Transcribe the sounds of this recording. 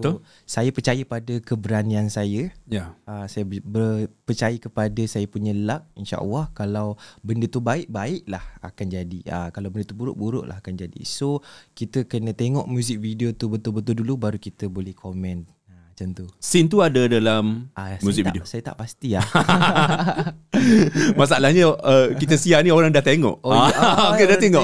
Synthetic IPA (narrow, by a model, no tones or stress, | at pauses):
sajəpərt͡ʃajəpadakəbəɾaniansajəjaəsajabəpərt͡ʃajəkəpadəsajapuɲə̃laʔ̚inʃa̰ʔa̰lˠːahkalawbəndət̪ubaɪʔ̚baɪʔlaha̰kand͡ʒadiəkalawbəndət̪ubuɾʊ̰ʔbuɾʊ̰ʔla̰ɦakand͡ʒadḭsokit̪əkənə̃t̪eŋɔʔmjũzɪk̚videot̪ubət̪ʊlbət̪ʊldulubaɾukit̪əbolɛhkʰomɛ̃n | mat͡ʃant̪usint̪uadadalamʔamuzikvḭdeosajət̪a̰ʔpast̪ia | masaalahɲə̃əkit̪əsianioɾaŋdaht̪eŋɔ̰ʔoaokedat̪eŋɔʔ